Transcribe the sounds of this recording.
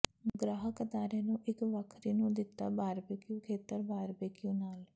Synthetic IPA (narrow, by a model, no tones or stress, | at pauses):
ɡɾaːɦəkəd̪aːɾeːnũːʔɪkʋəkʰɾiːnũːd̪ɪt̪ːa̰ːbaːɾbeːkjũːkʰeːt̪əɾbaːɾbeːkjũːnaːl